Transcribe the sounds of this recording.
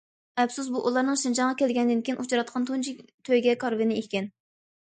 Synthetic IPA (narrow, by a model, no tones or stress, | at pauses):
ɛpsus̬buʔulˠɑɾnɨŋʃind͡ʒɑnʁɑkʲʰɛlɡʲɛnd̪ɪnkʲijinut͡ʃɑɾɑt̪̚qʰɑnt̪ʰunt͡ʃʰit̪ʰøjɡʲɛkʰɑɾvɪnɪehʲkʲɛn